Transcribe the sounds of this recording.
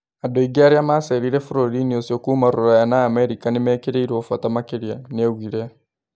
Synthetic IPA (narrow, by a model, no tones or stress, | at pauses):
adoiɡiaɾjamaseɾiɾefuɾoɾiniosjokuːmaɾuɾajanaːmeɾikanimekeɾeiɾofwatamakeɾjaneɣwiɾe